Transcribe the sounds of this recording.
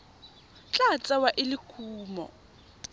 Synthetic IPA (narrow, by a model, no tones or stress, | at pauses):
t͡ɬʼat͡sʼɛwaʔɪlɪkʰuːmɔ̰